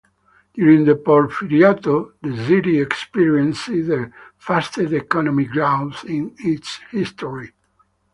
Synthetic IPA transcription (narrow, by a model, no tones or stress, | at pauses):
d̪̥juɹĩŋd̪əpɔɹfiliat̪oðəsiɾiɛkspiɹiɛ̃nsizəfast̪edɛkɔnɔmiɡɹãwnsĩnitshist̪ɔɹi